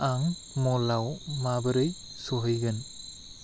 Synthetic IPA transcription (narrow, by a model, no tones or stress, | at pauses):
aŋ | mɔlawmabəɾɯj | sɔɦɯjɡɯn